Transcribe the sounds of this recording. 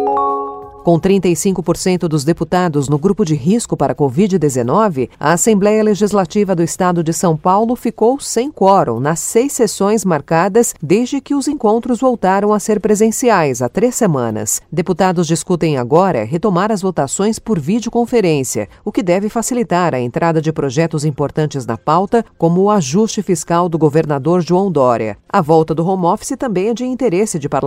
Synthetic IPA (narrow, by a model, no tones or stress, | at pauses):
kõw̃t̪ɾĩnt̪ɐjsĩŋkʊpoɾsẽnt̪ʊd̪ʊzd̪eput̪ad̪ʊznʊɡɾupʊd͡ʒɪɦiskʊpaɾɐkovid͡ʒɪd̪ezenɔvɪɐ̰asẽmblɛjɐleʒizlat͡ʃivɐd̪ʊɪst̪ad̪ʊd͡ʒɪsɐ̃w̃pawlʊfikowsẽj̃kɔɾõ̰nɐsːejsːesõj̃zmaɾkad̪ɐsd̪ezd͡ʒɪkɪʊzẽŋkõnt̪ɾʊzvowt̪aɾɐ̃w̃aseɾpɾezẽsiajzat̪ɾesːemɐ̰̃nɐ̰sd̪eput̪ad̪ʊzd͡ʒiskut̪ẽj̃aɡɔɾɐ̰ɦet̪omaɾɐzvot̪asõj̃spoɾvid͡ʒɪokõfeɾẽsiɐ̰ʊkɪd̪ɛvɪfasilit̪aɾɐḛ̃nt̪ɾʔad̪ɐd͡ʒɪpɾoʒɛt̪ʊzĩpoɾt̪ɐ̃nt͡ʃɪznɐ̰pawt̪ɐkõmʊːaʒust͡ʃɪfiskawd̪ʊɡoveɾnad̪oɾʒuɐ̃w̃d̪ɔɾjɐ̰ɐvɔwt̪ɐd̪ʊɦomɔfi̥sɪt̪ɐ̃mbẽj̃ɛd͡ʒɪĩnt̪eɾesɪd͡ʒɪpaɾ